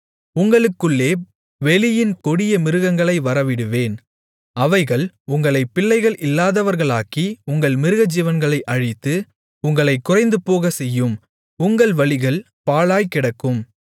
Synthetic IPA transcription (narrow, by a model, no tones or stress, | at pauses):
ʊŋɡɐɭɯkːɯɭːeː | ʋɛɭɪjɪnkɔɽɪjɐmɪɾɯɣɐŋɡɐɭɐɪʋɐɾɐʋɪɽɯʋeːn | ɐʋɐɪɣɐɭ | ʊŋɡɐɭɐɪpːɪlːɐɪɣɐɭʔɪlːaːðɐʋɐɾɣɐɭaːkiʊŋɡɐɭmɪɾɯɣɐd͡ʒiːʋɐnɡɐɭɐɪʔɐɻɪt̪ːɯ | ʊŋɡɐɭɐɪkːʊrɐɪnd̪ɯpoːɣɐsɛjːɯm | ʊŋɡɐɭʋɐɭɪɣɐɭ | paːɭaːjkɪɽɐkːɯm